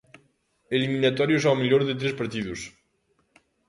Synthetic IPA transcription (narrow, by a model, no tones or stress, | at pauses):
eliminat̪ɔɾjusawmiʎoɾðet̪ɾespaɾt̪iðus